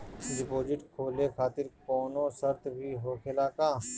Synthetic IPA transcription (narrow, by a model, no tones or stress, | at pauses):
ɖɪpoːd͡ʒɪʈkʰoːlekʰaːt̪ɪɾkoːnõːsəɾt̪bʱiɦoːkʰelaːkaː